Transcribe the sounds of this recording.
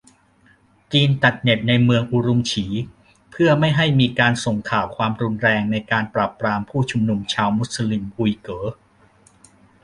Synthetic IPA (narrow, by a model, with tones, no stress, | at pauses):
t͡ɕiː˧nt͡ɕa˨˩t̪̚ne˨˩t̪̚na˧jmɯ˧əŋʔu˧ɾu˧mt͡ɕʰiː˩˦ | pʰɯ˥˩ɐma˥˩jɦa˥˩jmiː˧kaː˧nso˨˩ŋkʰaː˨˩wkʰwaː˧mɾu˧nɾɛː˧ŋna˧jkaː˧npɾaː˨˩pɾaː˧mpʰuː˥˩t͡ɕʰu˧mnu˧mt͡ɕʰaː˧wmu˦˥t̪̚sli˧mʔu˧jkɤː˩˦